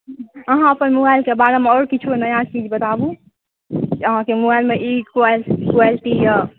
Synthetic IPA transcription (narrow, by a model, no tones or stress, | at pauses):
əɦãəpənmubailkebaɾameɔːɾkit͡ʃʰuenəjat͡ʃid͡ʒbət̪abu | kəɦãkemubailmeʔikwalkualʈija